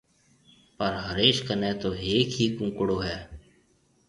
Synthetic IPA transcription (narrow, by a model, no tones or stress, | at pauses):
pəɾɦəɾeːʃkəneːt̪oːeːkɦiːkʊ̃ːkɽoːɦɛː